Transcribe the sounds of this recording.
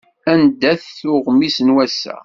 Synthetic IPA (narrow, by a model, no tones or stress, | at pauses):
ænd̪æθːʊʁmisənwæsæ̰